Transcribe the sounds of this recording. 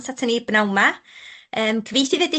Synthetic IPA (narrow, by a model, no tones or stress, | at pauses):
satʰənibnawma | əːmkʰəviːθivɛdɪ